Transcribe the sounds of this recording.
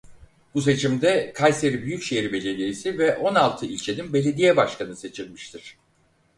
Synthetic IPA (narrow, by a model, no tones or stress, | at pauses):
bus̬e̞t͡ʃʰimd̪ɛkʰajse̞ɾibyjycʃejiɾibe̞lʲe̞d̪ijesivɛʔo̞nalˠt̪ʰɯilʲt͡ʃʰe̞ninbe̞lʲe̞d̪ijɛbaʃkanɯse̞t͡ʃʰilʲmiʃt̪ʰiɾ̝̥